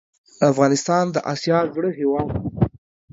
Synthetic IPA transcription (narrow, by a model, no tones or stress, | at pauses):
afɣɑnɪst̪ɑnd̪əʔɑ̰sjɑzɽəɦewɑd̪